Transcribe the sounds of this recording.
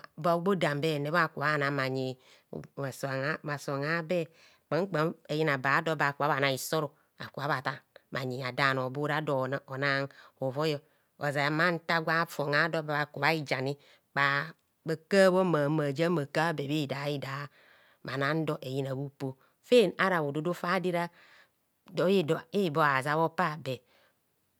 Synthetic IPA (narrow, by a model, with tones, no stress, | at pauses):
ba˨˦ɡ͡bo˦da˨mbe˦˨ne˨˦a˦˨ku˨βa˨˦˨na˨ma˨ɲi˨ | a˨sma˨so˨ŋa˦be˦ | k͡pa˨˦k͡pa˦e˨ji˦na˨ba˨˦do˦ba˨ku˨˦a˦βa˨na˨i˨so˦ɾo˨ | a̰˨ku˨βa˨˦βa˨ta˦ma˨ɲi˨a˨da˨n˨o˨bu˦ɾa˦do˨na˨˦o˨na˦ŋo˨vo˦jɔ˦ | o˨za˨ma˦n̩˦ta˦ɡʷa˦fo˨ŋa˨˦do˦ba˨βa˨ku˨βa˦i˦d͡ʒa˨ni˦ | k͡pa˨ | ba˨ka˦βo˦ma˨ma˨d͡ʒa˦ma˨ka˦be˨βi˦˨da˨˦i˦da˨˦ | ma˨na˦n̩˦do˦ʔe˨ji˦na˨bu˦po˦ | fe˦˨na˦ɾa˨βo˨do˦do˦fa˦di˦ɾa˦ | do˨˦i˦di˦˨bo˦a˨za˦βo˦pa˦˨be˨